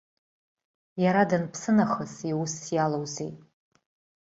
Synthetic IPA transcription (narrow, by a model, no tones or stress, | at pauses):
jaɾadɨnpʰsɨnaχəsiwusjalowzejtʼ